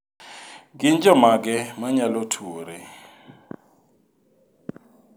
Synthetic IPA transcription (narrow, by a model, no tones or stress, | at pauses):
k̬int͡ʃʼɔmak̬ɛmaɲalotʰuːɾɛ